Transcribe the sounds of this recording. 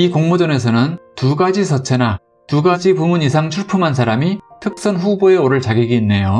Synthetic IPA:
ikoŋmud͡ʑʌne̞s̬ʰʌnɯntuɡad͡ʑis̬ʰʌt͡ɕʰe̞na | tuɡad͡ʑipumuɲis̬ʰaŋt͡ɕʰuɭpʰɯmɦans̬ʰaɾamitʰɯk̚s͈ʌnɸuboe̞oɾɯɭt͡ɕaɡeɡiːnːe̞jo

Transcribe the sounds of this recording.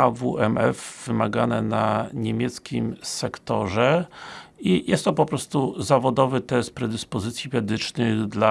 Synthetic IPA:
avuɛmɛfvɘmaɡanɛ̰naɲemʲjɛt̪skʲimsɛkt̪ɔʐɛ | ijʔɛst̪ːɔpɔpɾɔst̪uzavɔd̪ɔvɘt̪ɛst̪̚pɾɛd̪ɘspɔzɘt̪sʲjimɛd̪ɘt͡ʂnɘɣd̪la

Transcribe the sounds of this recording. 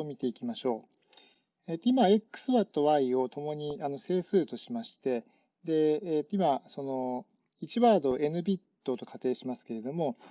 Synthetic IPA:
omʲit̪e̞ikʲimaɕo̞ː | et̪ːoimae̞kːɯ̥sɨβat̪ːo̞βaio̞t̪o̞mo̞ɲ̟iano̞se̞ːsɨːt̪o̞ɕimaɕi̥t̪e̞ | d̪e̞t̪ːoimaso̞no̞ | it͡ɕiβaːd̪o̞ʔe̞nɯ̟bʲit̪ːo̞t̪o̞kʰat̪e̞ːɕimasɨ̥ke̞ɾe̞d̪o̞mo̞

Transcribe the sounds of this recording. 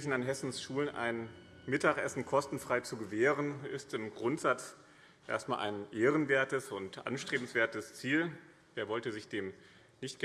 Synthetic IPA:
fn̩anɦɛsn̩sʃuːlənʔa̰ɪn | mɪtakʔɛsn̩kʰɔstn̩fʁ̥aɪt͡suɡəveːʁənɪstɪmɡʁʊntz̥at͡s | ʔḛɐstmaːlʔa̰ɪnʔeːʁənveːɐtəsʊntʔa̰nʃtʁ̥eːbm̩sv̥eːɐtəst͡siːl | veːɐvɔltəzɪçd̥eːm | nɪçtɡ̥

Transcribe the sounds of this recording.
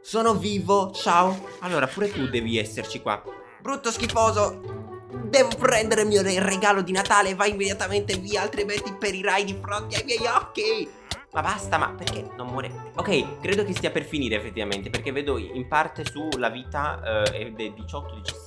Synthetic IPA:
soːnoviːvot͡ʃaoalːoːɾapuːɾet̪ud̪ɛːviɛsːert͡ʃikwa̰ | bɾut̪ːoskifoːzo | d̪ɛːvopɾɛnd̪eɾemioereɡaːlod̪inat̪aːlevajimːed̪jat̪ament̪eviːealt̪ɾiment̪ːipeɾiɾajd̪ifɾont̪iajmjɛjɔkːi | mabast̪ama̰perkenommoɾḛokɛjkɾeːd̪okest̪iːaperfiniːɾeːfːet̪ːivamḛnt̪eperkevːeːd̪oḭmpart̪esulaviːt̪aḛd̪eld̪it͡ʃɔt̪ːod̪it͡ʃḁ

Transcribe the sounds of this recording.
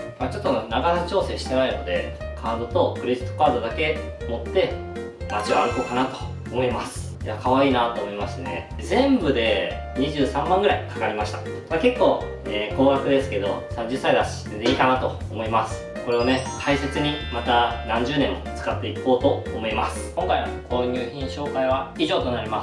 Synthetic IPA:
mat͡ɕo̞t̪ːonaɡanat͡ɕo̞ːse̞ːɕi̥t̪enaino̞̰d̪e̞̰kʰaːd̪o̞t̪o̞kɯ̟ɾʲeʑi̥t̪ːokaːd̪o̞d̪ake̞ | mo̞t̪ːe̞ | nat͡ɕiβaːɾɯ̟ko̞ːkanat̪o̞̥ːmo̞imasɨ̥ | jakʰaβaiːnat̪oːmo̞imasɨɨne̞̰ | zẽ̞mbɯ̟d̪e̞ | ɲ̟iʑɨːsãmːãŋɡɯ̟ɾaikḁkaɾʲimaɕi̥t̪ḁ | ake̞kːo̞ː | eːko̞ːɡakɯ̟d̪e̞sɨ̥ke̞d̪o̞̰sãɲ̟d͡ʑɨsːaid̪aɕi̥t̪ed̪eiːkanat̪o̞ːmo̞imasɨ̥ | ko̞ɾe̞one̞t̪ʰaise̞t͡sɨɲ̟imat̪anãɲ̟d͡ʑɨːnẽ̞mːo̞̰t͡sɨ̥kat̪ːe̞iko̞ːt̪o̞ːmo̞imasɨ̥kõ̞ŋkaijβa̰kʰoːɲ̟ɨːçʲĩɰ̃ɕo̞ːkaiβ̞aiʑo̞ːt̪o̞naɾʲima

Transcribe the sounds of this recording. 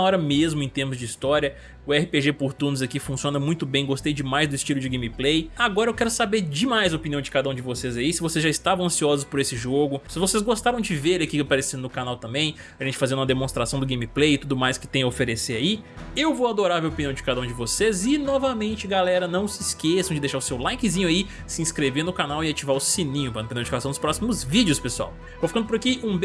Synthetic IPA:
ɐɔɾɐmezmʊẽt̪ẽhmʊzd͡ʒɪist̪ɔɾiɐ | ʊɛhɪpeʒepʊɾt̪ũnzɐkifũsiõnɐmũj̃t̪ʊbẽj̃ɡost̪ejd͡ʒɪmajzd̪ʊist͡ʃilʊd͡ʒɪɡẽjmiplejaɡɔɾɐewkɛɾʊsabeɾd͡ʒɪmajzɐopiniɐ̃w̃d͡ʒɪ̥kad̪ɐũd͡ʒɪvosezaisɪvosezʒaɪst̪avɐ̃ɐ̃siɔzʊspʊɾesɪʒoɡʊsɪvosezɡost̪aɾɐ̃w̃d͡ʒɪveɾelɪakiapaɾesĩd̪ʊnʊkanawt̪ɐ̃mbẽj̃ | ɐʒẽnt͡ʃɪ̥fazẽnd̪ũmɐd̪emõst̪ɾasɐ̃w̃d̪ʊɡẽj̃miplejɪt̪ud̪ʊmajskɪ̥t̪ẽj̃ɐofeɾeseaiewvoad̪oɾaɾɐveopiniɐ̃d͡ʒɪ̥kad̪ɐũd͡ʒɪvosezɪnɔvɐmẽnt͡ʃɪɡalɛɾɐnɐ̃w̃sɪskesɐ̃d͡ʒɪd̪ejʃaɾʊsewlajkɪzĩɲʊai | sɪĩskɾeveɾnʊkanawɪat͡ʃivaɾʊsinĩɲʊpɾɐñpẽd̪ẽdd͡ʒɪkasɐ̃d̪ʊspɾɔsimʊzvid͡ʒɪʊspesua̰w | vowfikɐ̃nd̪ʊpʊɾakiũb

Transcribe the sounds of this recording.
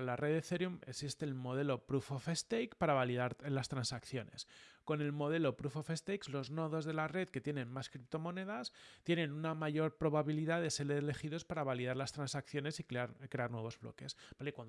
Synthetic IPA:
lareðeθe̞ɾjumeksist̪e̞ːlmo̞ð̞e̞lo̞pɾufofest̪ejkpaɾaβaliðaɾlast̪ɾansakθjo̞ne̞̰sko̞ne̞lmo̞ð̞e̞lo̞pɾufofe̞st̪ejkzlo̞zno̞ðo̞zðe̞lare̞ðke̞t̪je̞nẽ̞nmaskɾip̚t̪o̞mo̞ne̞ðast̪je̞ne̞nunamaʝo̞ɾpɾo̞βaβiliðaðe̞se̞ɾele̞xiðo̞spaɾaβaliðaɾlast̪ɾansakθjo̞ne̞sikeaɾkɾe̞aɾnwe̞β̞o̞zβlo̞̰ke̞sbalekwan

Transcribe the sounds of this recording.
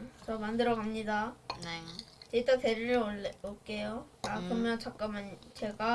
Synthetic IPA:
t͡ɕʌmandɯɾʌɡkamɲida | t͡ɕet͈ʌteɾiɾook͈ejoakɯɾɯmjʌnt͡ɕak͈ʌmɯnt͡ɕe̞ɡa

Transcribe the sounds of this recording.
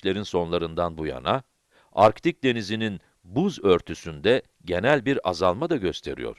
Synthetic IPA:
lʲe̞ɾinso̞nlˠaɾɯnd̪anbuja̰na | aɾkt̪ʰic̚d̪e̞nizinin | buzøɾt̪ʰysynd̪ɛ | ɟe̞nælʲbiɾazalˠmad̪aɟø̞st̪ʰe̞̰ɾḭjo̞̰ɾ̥

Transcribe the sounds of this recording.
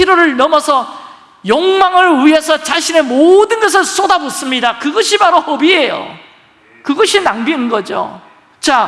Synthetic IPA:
iɾoɾɯɭnʌmʌsʰʌ | jʌŋmaŋɯɭɥiesʰʌt͡ɕaɕʰine̞modɯnɡʌs̬ʰɯɭs͈odabos͈ɯmɲidakɯɡʌɕʰibaɾohʌbie̞jo̰ | kɯɡʌɕʰinaŋbiɯnɡʌd͡ʑo̰ | t͡ɕa

